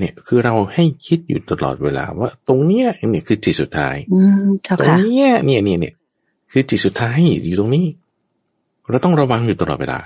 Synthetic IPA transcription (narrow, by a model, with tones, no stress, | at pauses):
ni˥˩ɐkʰɯː˧ɾa˧wha˥˩jkʰi˦˥t̪̚jṵː˨˩t̪a˧lɔ̰ː˨˩t̪̚weː˧la̰ː˧waː˥˩t̪o˧ŋni˦˥ɐni˦˥˩əkʰɯː˧t͡ɕi˨˩t̪̚su˨˩t̪ʰːa̰ː˦˥jʰa˧t̪o˧ŋn˧i˦˥ɐni˥˩əni˥˩ənḭ˥˩ɐ | kʰɯː˧t͡ɕi˨˩t̪̚su˨˩t̪ʰːaː˦˥jjuː˨˩t̪o˧ŋniː˦˥ | ɾa˧wt̪ɔ˥˩ŋɾa˧wa˧ŋjuː˨˩t̪a˧lɔ̰˨˩t̪weː˧la̰ː˧